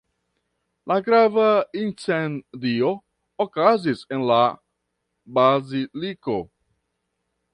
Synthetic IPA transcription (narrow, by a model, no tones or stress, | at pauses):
lʔaɡɾavaint͡sendio̞ | okazise̞nla | baziliko̞̰